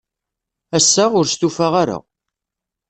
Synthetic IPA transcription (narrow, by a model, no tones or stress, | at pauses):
æsːaʁʊɾst̪ufaʁaɾa̰